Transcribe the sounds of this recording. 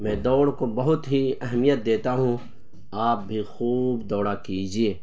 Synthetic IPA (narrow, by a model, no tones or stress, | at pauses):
mɛ̃ːd̪ɔːɽkobɐɦʊt̪ɦiɛɦmijət̪̚d̪eːt̪aɦũ | aːp̚bʱixuːbd̪ɔːɽakiːd͡ʒieː